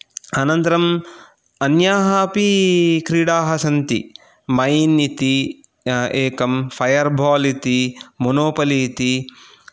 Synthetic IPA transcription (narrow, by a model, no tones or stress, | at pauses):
ɐnɐnt̪ɐɾɐm | ɐnjaːɦaːpikɾiːɽaːɦɐsɐnt̪ḭ | mɐjnit̪i | eːkɐmfʰɐjɐɾbʱɔːlit̪imonoːpɐlit̪i